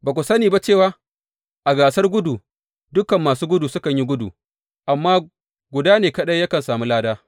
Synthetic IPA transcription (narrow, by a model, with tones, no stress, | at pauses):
baː˨kʷʊ˨sɐ˦niː˨ba˦t͡ʃe˦˨waː˦ | ʔa˨ɡaː˨sɐ˦rɡʷʊ˦duː˨ | dʊ˦kɐ˨mːaː˨suː˦ɡʷʊ˦du˨sʊ˦kɐ˨ɲji˦ɡʷʊ˦dṵː˨ | ʔa˨mːaː˦ | ɡʷʊ˨daː˦neː˨kɐ˦ɗɐ˦jːɐ˦kɐ˨nsaː˨mu˦laː˦daː˦